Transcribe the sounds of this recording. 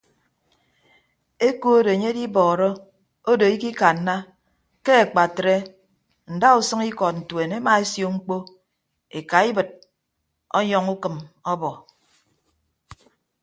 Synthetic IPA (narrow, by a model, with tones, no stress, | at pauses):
e˦ko˦o˦de˨e˨ɲe˦di˦bɔː˨ɾɔ˦ | o˦do˨i˦ki˦ka˨n̩ː˦a˦ | ke˦e˨k͡pa˨tɾe˦ | n̩˨da˦u˨sɨ˦ŋi˦kɔ˨t̚n̩˨twe˨ne˦ma˨e˦sjo˨ŋ͡m̩˦k͡po˦ | e˨ka˨i˦bɨ˨t̚ | ɔ̰˦ɲɔ˦ŋu˦kɨ˨mɔ˦bɔ˨